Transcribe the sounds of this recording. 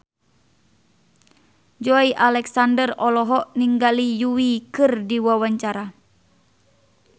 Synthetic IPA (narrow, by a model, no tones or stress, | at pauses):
d͡ʒɔiʔalɛksandərɔlɔɦɔʔniŋɡalijuwikɨrdiwawaɲt͡ʃaɾa